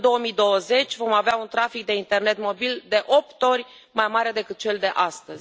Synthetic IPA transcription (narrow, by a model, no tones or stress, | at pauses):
d̪o̞wəmid̪o̞wəze̞t͡ʃʲvo̞maveaunt̪ɾafik̚d̪e̞int̪e̞rne̞t̪mo̞bild̪e̞ʔo̞p̚t̪o̞rʲ | majmaɾe̞d̪e̞kɨt̪̚t͡ʃe̞ld̪e̞ʔast̪əz̥ʲ